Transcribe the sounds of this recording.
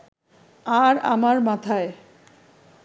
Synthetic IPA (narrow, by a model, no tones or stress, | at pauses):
aɾa̰maɾmat̪ʰae